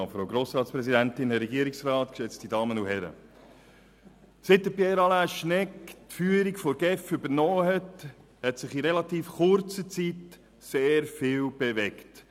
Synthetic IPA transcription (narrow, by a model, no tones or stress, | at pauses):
fɾoʊɡɾoːsɾɑːtspɾɛzidæntɪnhɛɾɛɡiəɾiksɾɑːtkʃɛt͡stidɑːmənuhɛɾə̰ | sɪt̚ːəpjɛɾɑlæʃnɛktfyːəɾikfɔɾɡ̥ɛfʏbəɾnɔːhɛt | hɛtsɪχiɾɛlɑtiːfχʊɾt͡sət͡sit | seːɾfɪːwb̥evɛkt